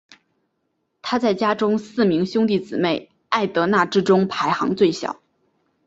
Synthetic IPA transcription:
t̪ʰa˥t͡sa˥˩ɪt͡ɕja˥ʈ͡ʂʊ˥ŋsɹ̩˥˩mi˧˥ŋɕjʊ˥ŋt̪i˥˩t͡sɹ̩˨˩me˥˩ɪ | a˥˩ɪt̪ɤ˧˥na˥˩ʈ͡ʂɻ̩˥ʈ͡ʂʊ˥ŋpʰa˧˥ɪxɑ˧˥ŋt͡swe˥˩ɪɕjɑ̰˨˩˦ʊ

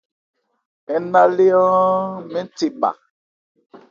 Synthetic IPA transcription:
ɛ˨na˦le˦ɔ̃˦mɛ̃˦n˦te˨ba̰˨

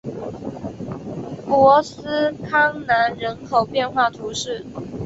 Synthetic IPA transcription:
kwɔ˧˥s̩˥kʰɑ˥ŋna˧˥nɻə˧˥nkʰo˨˩ʊpjɛ˥˧nxwa˥˩t̪ʰu˧˥ʂɻ̩˥˩

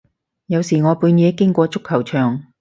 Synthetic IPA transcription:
jɐ˨˧wsiː˨˩ŋɔː˨˧puː˨˧njɛː˨˥kɪ˥ŋkʷɔː˧t͡sʊ˥kʰːɐ˨˩wt͡ʃʰœː˨˩ŋ

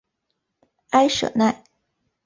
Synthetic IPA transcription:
a˥ɪʂɤ̰˨˩na˥˩ɪ

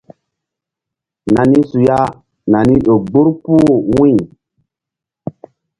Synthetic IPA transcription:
na˨ni˦su˨ja˦ | na˨ni˦ɗo˨ɡ͡bu˦ɾpu˦wĩ˦˨

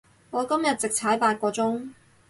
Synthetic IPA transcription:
ŋɔː˨˧kɐ˥mjɐ˨t̚t͡sɪ˨k̚t͡sʰaː˨˥jpaː˧t̚kʷɔː˧t͡sʊ˥ŋ

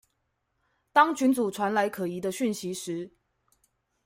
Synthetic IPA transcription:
t̪ɑ˥ŋt͡ɕʰy˧˥nt͡su˨˩ʈ͡ʂʰwa˧˥nla˧˥ɪkʰɤ˨˩i˧˥d̪ə˧ɕy˥˩nɕi˧˥ʂɻ̩˧˦

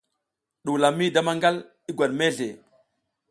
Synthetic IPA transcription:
ɗu˨la˨mːi˦da˦ma˦ŋɡa˦l | i˦ɡwa˨ɗme˦ɮḛ˨

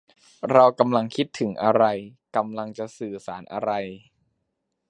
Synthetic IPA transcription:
ɾa˧wka˧mla˧ŋkʰi˦˥t̪ʰːɯ˩˦ŋʔa˧ɾa˧jka˧mla˧ŋt͡ɕa˨˩sɯː˨˩saː˩˦nʔa̰˧ɾa˧j

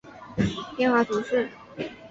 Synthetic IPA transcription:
t̪jɛ˥˧nxwa˥˩t̪u˧˥ʂɻ̩˥˩

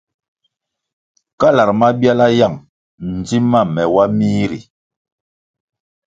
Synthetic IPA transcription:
ka˦la˨ɾma˦bja˦la˦ja˦˨ŋ | n̩˨d͡zi˦ma˦˨mɛ˨wa˦mi˦ɾḭ˨

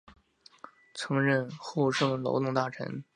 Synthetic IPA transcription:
t͡sʰɤ˧˥ŋɻə˥˧nxu˥˧ʂɤ˥˩ŋlo̰˧˥ʊt̪ʊ˥˧ŋt̪a˥˩ʈ͡ʂʰə̰˧˥n

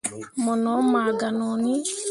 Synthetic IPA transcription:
mɔ˨nɔ˨˦ma˨ɡa˨nɔ˨ni˦

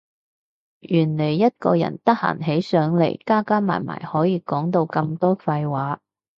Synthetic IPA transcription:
jyː˨˩nle˨˩jːɐ˥t̚kɔ̰ː˧jɐ̰˨˩nt̪ɐ˥k̚ha̰ː˨˩ŋɦe˨˥jsœː˨˥ŋlḛ˨˩jkaː˥kaː˥ma̰ː˨˩jma̰ː˨˩jhɔː˨˥jiː˨˧kɔː˨˥ŋt̪o˧wkɐ˧mt̪ɔː˥fɐ˧jwaː˨˥

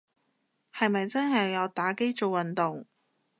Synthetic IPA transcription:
hɐ˨jmɐ˨jt͡sɐ˥nɦɐ˨jːɐ˨˧wt̪aː˨˥ke˥jt͡so˨wwɐ˨˩nt̪ʊ˨ŋ

